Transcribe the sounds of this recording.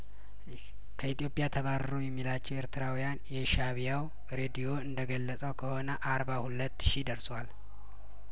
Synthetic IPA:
kʰəit̪ʼijo̞pʼjat̪ʰəβaɾəɾojɛmːilat͡ʃːɛwe̞ɾt̪ʰɨɾawijanjɛʃaβijaw | ɾe̞d̪ijo̞ɨnd̪əɡəlːəsʼəwkʰəho̞nəʔaɾbahulət̪ːʃid̪əɾswal

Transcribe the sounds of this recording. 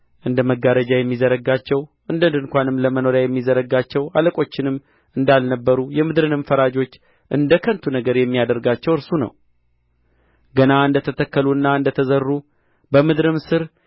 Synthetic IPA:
ʔɨnd̪əməɡːaɾəd͡ʒajɛmːizəɾəɡat͡ʃːɛwʔɨnd̪ənd̪ɨŋkʷanɨmləməno̞ɾjajɛmːizəɾəɡat͡ʃːɛwaləkʼo̞t͡ʃːɪnɨmː | ɨnd̪alnəbːəɾujɛmɨd̪ɾɨnɨmfəɾad͡ʒo̞t͡ʃː | ʔɨnd̪əkʰənt̪ʰunəɡəɾjɛmːijad̪əɾɡat͡ʃːɛwɨɾsunə̰w | ɡənaɨnd̪ət̪ʰət̪ʰəkːəluɨnːaɨnd̪ət̪ʰəzərːu | bəmɨd̪ɾɨmsɨɾ

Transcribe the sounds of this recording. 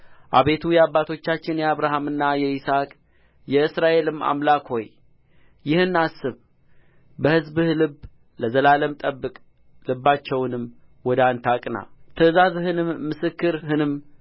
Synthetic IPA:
ʔa̰βe̞t̪ʰujɛaβːat̪ʰo̞t͡ʃːat͡ʃːɪnjɛaβɾaɦamɨnːajɛisakʼ | jɛɨsɾaʔe̞lɨma̰mlakho̞j | jɪhɨnːasːɨβ | bəhɨzbɨhlɨb | ləzəlaləmt̪ʼəbːɨkʼ | lɨbːat͡ʃːɛwnɨm | wɔd̪ant̪ʰakʼna̰t̪ʰəzazhɨnɨmːɨsɨkːɨɾɦɨnɨm

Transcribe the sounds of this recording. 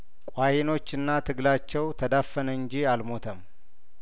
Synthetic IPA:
kʼwahino̞t͡ʃːɨnːat̪ʰɨɡlat͡ʃːɛwt̪ʰəd̪afːənəɨɲd͡ʒialmo̞t̪ʰəm

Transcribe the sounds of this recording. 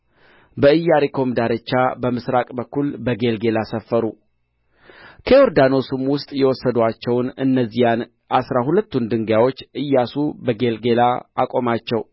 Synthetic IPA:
bəɨjːaɾekʰo̞md̪aɾət͡ʃːabəmɨsɾakʼbəkːulbəɡe̞lɡe̞lasəfːəɾu | kʰəoɾd̪ano̞sumwʊst̪ʼjɛwɔsːəd̪at͡ʃːɛwnɨnːəzːijan | asɾaɦulət̪ːund̪ɨŋɡjawo̞t͡ʃːɨjːasubəɡe̞lɡe̞laakʼo̞mat͡ʃːɛw

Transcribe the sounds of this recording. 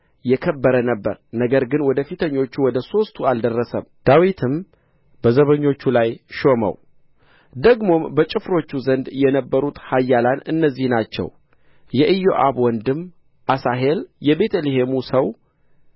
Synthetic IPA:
jɛkʰəbːəɾənəbːə̰ɾnəɡəɾɡɨnwɔd̪əfit̪ʰəɲːo̞t͡ʃːuwɔd̪əso̞st̪ʰuald̪ərːəsəmd̪̥awit̪ʰɨm | bəzəβəɲːo̞t͡ʃːulajʃo̞mə̰w | d̪əɡmo̞mbət͡ʃʼɪfɾo̞t͡ʃːuzənd̪jɛnəbːəɾut̪hajːalanɨ̰nːəzːihnat͡ʃːɛ̰w | jɛʔɨjo̰ʔaβwɔnd̪ɨm | ʔasaɦe̞ljɛbe̞t̪ʰəleɦe̞musəw

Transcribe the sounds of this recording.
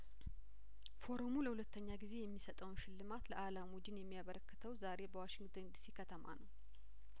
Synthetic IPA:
fo̞ɾomuləhulət̪ːəɲːaɡize̞jɛmːisət̪ʼəwnʃɪlːɨmat̪ləʔalamud͡ʒɪnjɛmːijaβəɾəkːɨ̥t̪ʰəwzaɾe̞bəwaʃɪŋɡt̪ʰond̪isikʰət̪ʰəma̰nəw

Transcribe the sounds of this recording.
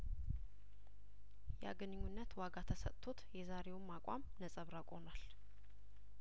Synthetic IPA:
jɛa̰ɡənɨɲːunːət̪waɡat̪ʰəsə̰t̪t̪ʰːot̪jɛzaɾe̞wmːakʷʼa̰mnəsʼəβɾakʼo̞nal

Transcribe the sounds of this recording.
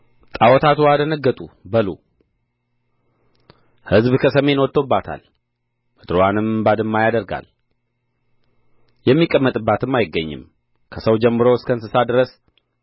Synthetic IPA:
t̪ʼawɔt̪ʰat̪ʰuad̪ənəɡːət̪ʼubəlu | hɨzbkʰəsəme̞nwɔt̪ːobːat̪ʰa̰l | məd̪ɾowanɨmbad̪ɨmːajad̪əɾɡa̰l | jɛmːikʼːəmːət̪ʼɨbːat̪ɨmːajɪɡːəɲːɪ̰m | kʰəsəwd͡ʒɛmːɨɾoɨskʰəɨnsɨsad̪ɨɾəs

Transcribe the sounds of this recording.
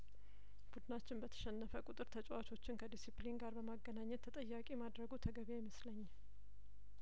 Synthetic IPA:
b̥ud̪nat͡ʃːɪnbət̪ʰə̥ʃɛnːəfəkʼʊt̪ʼɨɾt̪ʰət͡ʃʼwat͡ʃʰo̞t͡ʃːɪnkʰəd̪isiplinɡaɾbəmaɡːənaɲːɛt̪ʰːət̪ʼəjːakʼimad̪ɾəɡut̪ʰəɡəβejɛməsləɲː

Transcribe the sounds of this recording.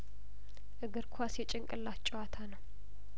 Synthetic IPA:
ʔɨɡɨɾkʰwasjɛt͡ʃʼɪŋkʼɨlːat͡ʃʼɨwat̪ʰanəw

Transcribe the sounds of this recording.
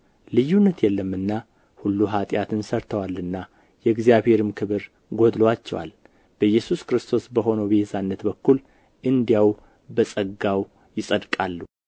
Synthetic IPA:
lɨjːunːət̪jɛlːəmːɨnːa | hulːuɦat̪ʼjat̪ʰɨnsəɾt̪ʰəwalːɨnːa | jɛɡzijaβhe̞ɾɨmkʰɨβɨɾ | ɡod̪loat͡ʃːɛ̰wa̰l | b̥əjːɛsuskɾɨst̪ʰo̞sbəɦo̞nəwbehezanːət̪bəkːul | ʔɨnd̪ijaw | bəsʼəɡaw | jɪsʼəd̪kʼalːu

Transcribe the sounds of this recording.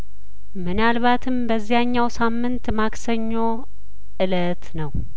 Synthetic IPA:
mɨnalβat̪ʰɨmbəzːijaɲːawsamːɨnt̪maksəɲːo̞ | ʔɨlət̪nəw

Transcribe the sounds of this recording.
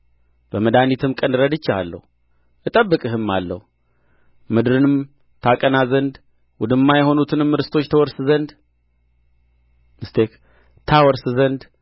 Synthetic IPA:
b̥əməd̪anit̪ʰɨmkʼənɨɾəd̪ɨt͡ʃːaa̰lːə̰hu | ʔɨt̪ʼəbːɨkʼɨɦɨmːalːə̰hu | mɨd̪ɨɾɨnɨm | t̪ʰakʼənazənd̪ | wʊd̪ɨmːajɛɦo̞nut̪ʰɨnɨmːɨɾɨst̪ʰo̞t͡ʃːt̪ʰəwɔɾsɨzənd̪ | mɨst̪ʰe̞k | t̪ʰawɔɾsɨzənd̪

